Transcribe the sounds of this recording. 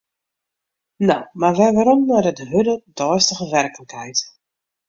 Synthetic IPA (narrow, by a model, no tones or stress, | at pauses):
nawmarʋɛʋaɾɔmnadədəɦødədɔːstəɣəʋɛrkələkɦɛjt